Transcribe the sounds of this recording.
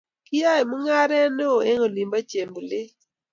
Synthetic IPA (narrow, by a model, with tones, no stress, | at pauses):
kɪ˦a˦˨mʊ˦ŋa˦ɾɛ˦no˦˨e˦ŋo˨li˨mba˦t͡ʃe˨mblɪ˦